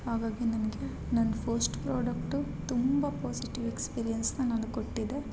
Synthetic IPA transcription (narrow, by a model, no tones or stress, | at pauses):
haːɡaːɡinɐnɐɡe̞ | nɐnːɐpʰɐɾsʈpɾoːɖɐkʈu | t̪umbɐpoːsiʈiʋekspiːɾijɐnsnɐnɐnukoʈːid̪e̞